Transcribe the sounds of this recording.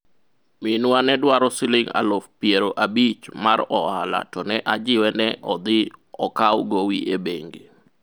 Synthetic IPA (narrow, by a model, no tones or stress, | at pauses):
mɪnwanɛdwaɾɔsɪlɪŋa̰lofpijeɾoʔabit͡ʃmarɔhala̰tɔnɛʔad͡ʒɪwɛnɛʔɔd̪ɪɔkawɡowiʔebeŋɡe